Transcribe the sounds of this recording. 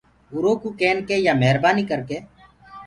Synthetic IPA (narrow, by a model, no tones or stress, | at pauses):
ʊɾoːkuːkeːnkeːjaːmɛɦɾbaːniːkəɾkeː